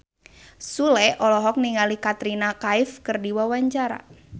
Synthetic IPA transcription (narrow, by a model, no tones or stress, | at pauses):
sulɛʔɔlɔɦɔk̚niŋalikat̪ɾinakaɪfkɨrdiwawaɲt͡ʃaɾa̰